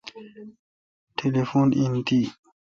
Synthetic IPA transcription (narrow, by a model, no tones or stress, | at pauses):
tʰelefoninti